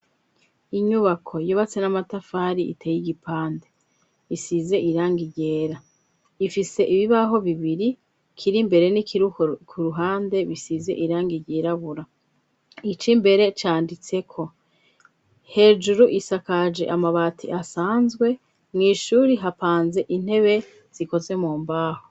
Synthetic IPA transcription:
iɲuβakʰo̞joβat͡senamatafaːɾiʔḭteːjiɟipʰaːnde̞ | isize̞ʔiɾaːŋɡiɟeːɾa | ifise̞ʔiβiβaɦo̞βiβiɾi | kʰiɾimbe̞ɾe̞nikʰiɾukʰuɾuɦaːnde̞βisize̞̰ʔiɾaːŋɡiɟeːɾaβuɾa | it͡ʃimbe̞ɾe̞t͡ʃaːndit͡se̞kʰo̞ | he̞ːd͡ʒuɾuʔisakad͡ʒe̞̰ʔamaβaːtʰḭʔasaːnzɡwe̞ | mŋiːʃuːɾiɦapaːnze̞ʔin̥he̞βe̞ | z̥iko̞ze̞muːmbaːho

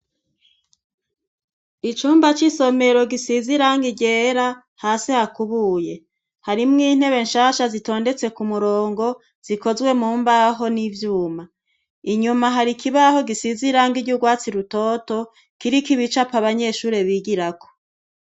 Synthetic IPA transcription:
it͡ʃuːmbat͡ʃiso̞me̞ɾo̞ɡisiziɾaŋɡiɟeːɾa | haːsihakuβuːje̞ | haɾimŋiːn̥he̞βe̞nʃaːʃazito̞ːnde̞t͡se̞kumuɾoːŋɡo̞ | z̥iko̞zwe̞muːmbaɦo̞nivjuːma | iɲumaɦaɾikʰiβaho̞ɡisiziɾaŋɡiɟuɡwaːt͡siɾuto̞ːto̞ | kiɾikiβit͡ʃapaβaɲe̞ʃuːɾe̞βiɡiɾakʰo̥

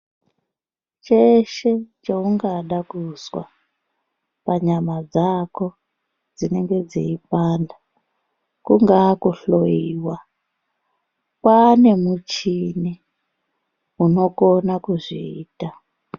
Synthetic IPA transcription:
t͡ʃeʃe̞t͡ʃauŋɡaɗakuswa̰ | paɲamad͡zako̞ | d͡zine̞ŋɡe̞d͡ziip̚anda | kuŋɡaːkuɬojiːwa | kwane̞mut͡ʃini | uno̞konakuʐiiːta

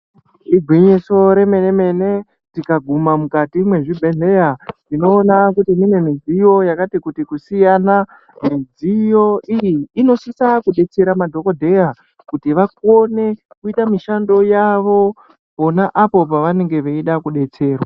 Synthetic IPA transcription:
iɡʱwiɲiso̞ɾe̞me̞ne̞me̞ne | tikaɡʱumamukatimwe̞ʐibʱe̞ɮe̞janino̞ːnakutimine̞mid͡zijo̞jakatikutikusijana | mid͡zijo̞ijiːno̞sisakuɗe̞t͡se̞ɾamadʱo̞ko̞dʱe̞ja | kutiʋako̞ne̞ | kuitamiʃando̞jaʋo̞ | po̞naʔapo̞p̬aʋane̞ŋɡe̞ʋeiɗakuɗe̞t͡se̞ːrwa

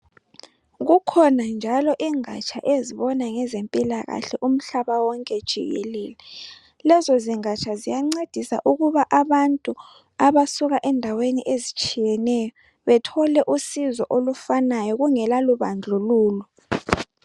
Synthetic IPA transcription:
ɣukʰɔnand͡ʒʱalɔʔiŋa̰t͡ʃʰʼa̰ʔeziβɔnaŋɛzempʼilaɣa̰ɬɛʔum̩ɬaβawɔŋkʼɛd̥ʒ̥ʱḭɣɛ̰lɛːlɛ | lɛzɔziŋat͡ʃʰʼazijaŋ͡ǀed̥ʱisa̰ʔuɣuβaʔaβantʼu | aβasuɣaʔɛndʱaweniʔezit͡ʃʼijɛnɛjɔ | βɛtʰɔlɛʔusizɔ̰ʔolufanajɔɣuŋɛlaluβand͡ɮʱuluːlɔ

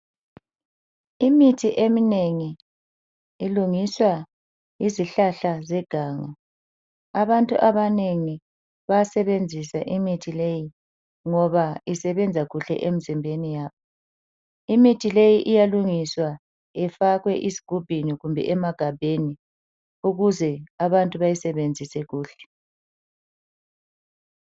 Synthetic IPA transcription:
imitʰiʔemineŋi | luŋiswa | iziɬaɬazɛɡ̥ʱaːŋa | aβantʼṵʔaβaneŋi | βajasɛβend͡zʱisaʔimitʰileji | ŋɔβaisɛβɛnd͡zʱaɣuɬɛ̰ʔem̩zimbʱenijaːβɔ | imitʰilejiʔijaluŋiswa | ɛfaɣwɛʔizi̥ɡ̥ʱub̥ʱiniɣumbʱɛ̰ʔɛmaɡ̥ʱab̥ʱeni | uɣuzɛaβantʼuβajisɛβend͡zʱisɛɣuːɬɛ̥

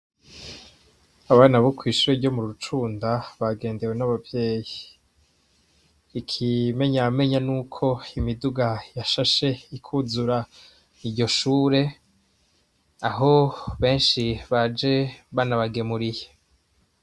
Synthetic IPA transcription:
aβaːnaβokwiːʃuɾeɾɟo̞muɾut͡ʃuːndaβaɡe̞ːnde̞we̞naβavje̞ːji | ikʰime̞ɲame̞ɲanuːkʰo̞imiduɡajaʃaʃe̞ikʰuzuɾa | iɾɟo̞ʃuːɾe̞ | aɦo̞βe̞ːnʃiβad͡ʒe̞βanaβaɡe̞muɾije

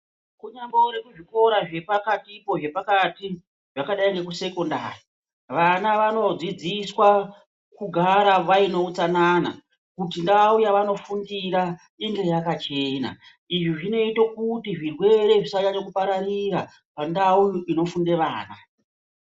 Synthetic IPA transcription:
kuɲambouɾekuʐiko̞ɾaʐe̞pakatipo̞ʐe̞pakati | ʐakaɗaiŋɡe̞kuse̞kondaːri | ʋanaʋano̞d͡zid͡ziswa | kuɡʱaɾaʋaino̞ut͡sanaːna̰ | kutindaujaʋano̞fundiɾa | iŋɡe̞jakat͡ʃe̞ːna̰ | iʐiʐino̞itokutiʐirwe̞ɾe̞ʐisat͡ʃaɲokupaɾaɾira | pandauino̞funde̞ʋaːna

